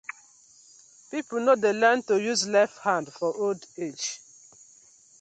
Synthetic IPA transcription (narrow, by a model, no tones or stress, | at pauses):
pipl̩nodelɛ̃ntojuzlɛfhãndfɔʔolded͡ʒ